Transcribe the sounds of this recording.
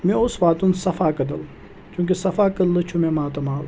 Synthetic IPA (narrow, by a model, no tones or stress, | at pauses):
mẽʊsʋaːt̪unsɐfaːkɐd̪ɐl | t͡ʃũŋk̬isɐfaːkəlɨt͡ʃʰumẽːmaːt̪ɐmaːl